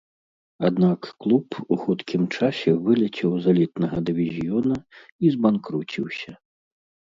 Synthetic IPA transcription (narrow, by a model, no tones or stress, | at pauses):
ad̪nakːlˠupuxut̪kʲʰimt͡ʂasʲɛvɨlʲɛt͡sʲɛwzalʲit̪nɐɣɐd̪ɨvʲizʲjɔnɐ | izbankɾut͡sʲiwsʲɐ